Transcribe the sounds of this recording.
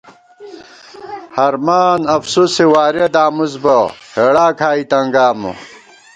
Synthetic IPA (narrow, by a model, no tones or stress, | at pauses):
hɐɾmaːnɐfsusiwaːɾed̪aːmuzbɐheɽaːkʰaːit̪ɐŋɡaːmṵ